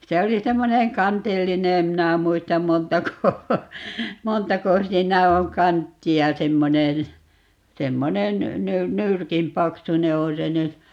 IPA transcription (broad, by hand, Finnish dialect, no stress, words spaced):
se oli semːoneŋ kɑntilːine em minæ muistɑm montɑko montɑko siːnæ oŋ kɑntːiɑ semːonen̞ semːonen ny nyrkin pɑksune on se nyt